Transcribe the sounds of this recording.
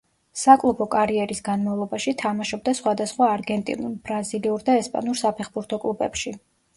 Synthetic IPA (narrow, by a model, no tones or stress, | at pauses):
sakʼlˠubʰɔkʼaɾiɛɾisɡanmavlˠɔbaʃit̪ʰamaʃɔb̚d̪asχwad̪asχwaːɾɡɛnt̪ʼḭnuɾbɾaziliuɾd̪aɛspʼa̰nuɾsapʰɛχbuɾt̪ʰɔkʼlˠubɛ̰pʃi